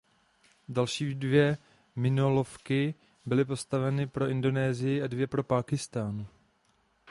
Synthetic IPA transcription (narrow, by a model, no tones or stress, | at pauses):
dalʃiːdvjɛ | mɪnolofkɪ | bɪlɪp̬o̞st̪avɛnɪpɾo̞ʔɪndo̞nɛːzɪjɪʔadvjɛpɾo̞paːkɪst̪aːn